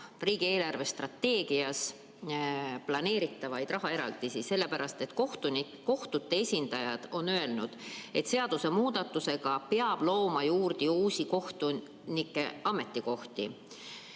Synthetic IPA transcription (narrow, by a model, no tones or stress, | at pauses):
riːɡ̥ie̞ːlɑrve̞st̪rɑt̪ːe̞ːɡ̥iɑs | plɑne̞ːɾit̪ːˑɑvɑjd̪̥rɑɦɑe̞ɾɑ̰ld̪̥isise̞lːe̞pæɾɑst̪e̞t̪koht̪un | ko̞ht̪ut̪ːe̞esʲind̪̥ɑjɑd̪̥o̞nøe̞lnud̪̥e̞t̪se̞ɑd̪̥use̞muːd̪̥ɑt̪ːˑuse̞ɡ̥ɑpeɑb̥lo̞ːmɑjuːrd̪̥iuːsikoht̪u | nikːˑe̞ɑme̞t̪ːiko̞ht̪ḭ